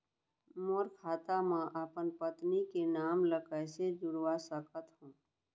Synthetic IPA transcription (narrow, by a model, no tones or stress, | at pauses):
moːɾkʰaːt̪amãʔəpənpət̪nikenaːmləkəjsed͡ʒʊɾwasəkət̪ɦũː